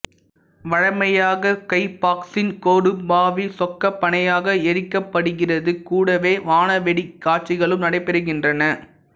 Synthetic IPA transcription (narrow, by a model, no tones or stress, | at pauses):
ʋɐɻɐɪmɐjaːɣɐkɐɪpaːksɪnkoːɽɯbaːʋisɔkːɐpːɐɳɐjaːɣɐɛɾɪkːɐpːɐɽɯɣɪrɐðɯkuːɽɐʋeːʋaːnɐʋɛɽikːaːʈ̚t͡ʃɪɣɐɭɯmnɐɽɐɪpːɛɾɯɣɪndrɐnɐ